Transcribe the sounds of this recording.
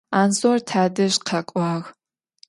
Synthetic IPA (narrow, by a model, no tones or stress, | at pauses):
aːnsortʰaːdɨʒqʰɐkʷʼaːɣ